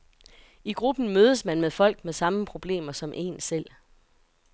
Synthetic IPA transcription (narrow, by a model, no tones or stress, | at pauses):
iɡ̥ʁub̥n̩møːð̞ˠəsmænmeðˠfɒ̽l̰ɡ̥̚meðˠsɑ̈məpʰʁo̝b̥le̝̰ːmɐsɒ̽mʔe̝̰ːnsel̰